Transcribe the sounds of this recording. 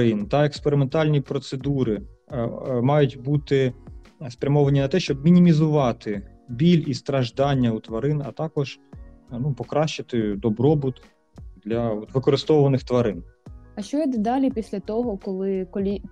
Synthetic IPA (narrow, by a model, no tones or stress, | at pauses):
ɪnt̪ɐekspeɾɪment̪ɑlʲnʲipɾɔt̪sed̪uɾɪ | mɑjʊtʲbut̪ɪspɾʲɐmɔʋɐnʲinɐt̪ɛʃt͡ʃɔbmʲinʲimʲizʊʋɑt̪ɪ | bʲilʲist̪ɾɐʒd̪ɑnʲːɐut̪ʋɐɾɪnɐ̰t̪ɑkɔʒ̥ | nupɔkɾɑʃt͡ʃɐt̪ɪd̪ɔbɾɔbʊt̪ | d̪lʲɐɔt̪ʋɪkɔɾɪst̪ɔʋɐnɪxt̪ʋɐɾɪnɐʃt͡ʃɔjɛd̪d̪ɑlʲipʲisʲlʲɐt̪ɔɦɔkɔlˠɪkɔlʲi